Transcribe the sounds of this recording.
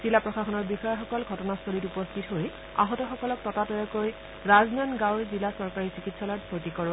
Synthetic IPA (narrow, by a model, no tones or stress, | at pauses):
z̥ilapɹɔxaxɔnɔɹbixɔjɔxɔkɔlɡʱɔtɔnastolitupɔstʰitɦoj | a̰ɦɔtɔxɔkɔlɔk̚tɔtatɔjɔkoj | ɹaznanɡãwɹzilasɔɹkaɹisikitsalɔtbʱoɹtikɔɹ